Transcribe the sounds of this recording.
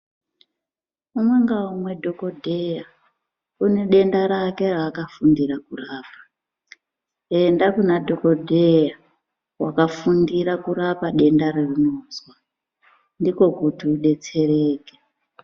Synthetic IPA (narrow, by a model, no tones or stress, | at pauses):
umwe̞ŋɡaumwe̞dʱo̞ko̞dʱeja | une̞ɗe̞ndaɾake̞rakafundiɾakuraːpḁ | e̞ndakunadʱo̞ko̞dʱe̞ja | wakafundiɾakuɾapaɗe̞ndaririno̞ːzwa | ndiko̞kutiuɗe̞t͡se̞re̞ːke